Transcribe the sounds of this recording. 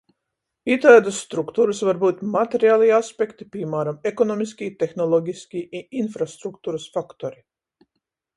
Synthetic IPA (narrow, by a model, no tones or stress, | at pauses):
it̪aɛd̪əsːt̪ɾukt̪uːɾəsvaɾbuːt̪mat̪ʲeɾiaːlˠiaspʲekt̪ipʲimaːɾamekɔnɔmiskʲiːt̪exnɔlˠɔɡʲiskʲiːʔiʔinfɾast̪ɾukt̪uːɾəsfakt̪ɔɾi